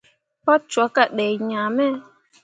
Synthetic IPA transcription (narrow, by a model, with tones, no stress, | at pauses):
pa˦t͡ʃwa˨˦ka˨ɗɛ˨ɲãː˨mɛ˦